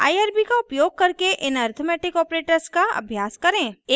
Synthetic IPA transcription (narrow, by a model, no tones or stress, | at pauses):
a̰ːiaːɾbikaʊpjoːɡ̚kɐɾkeʔɪnaːɾt̪ʰomɛːʈɪkɔːpɾeːʈəɾskaɐ̰bʱjaːskɐɾẽːe